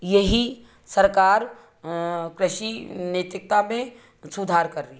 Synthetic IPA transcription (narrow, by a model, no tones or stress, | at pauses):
jeɦi | sɐɾkaːɾ | kɾɪʃineːt̪ɾɪk̚t̪amẽ | sud̪ʱaːɾkɐɾːi